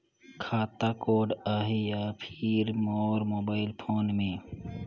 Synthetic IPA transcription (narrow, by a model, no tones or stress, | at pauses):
kʰaːt̪akoːɖaːɦijapʰiɾmɔːɾmoːbaːɪlpʰoːnmẽ